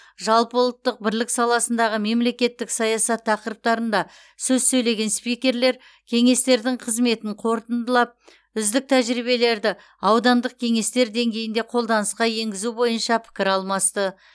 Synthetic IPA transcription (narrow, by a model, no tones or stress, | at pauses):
ʒɑlˠpəʊlˠət̪ːəq̚bɪɾlɪksɑlˠɑsənd̪ɑʁəme̞mle̞kʲe̞t̪ːɪksɑjɑsɑt̪ʰːɑqəɾəp̚t̪ɑɾənd̪ɑ | sɵzsɵjle̞ɡʲe̞nspijkʲe̞ɾleɾ | kʲʰe̞ŋe̞st̪e̞ɾd̪ɪɴqʰəzme̞t̪ɪɴqʰo̞ɾt̪ənd̪əlˠɑp̚ | ʏzd̪ɪk̚t̪ʰæʒɾiβe̞le̞ɾd̪ɪ | ɑwd̪ɑnd̪əq̚kʲʰe̞ŋe̞st̪e̞ɾd̪e̞ŋɡʲe̞jɪnd̪e̞qʰo̞lˠd̪ɑnəsqɑje̞ŋɡʲɪzubo̞jənʃɑpʰɪ̥kʲɪɾɑlˠmɑst̪ə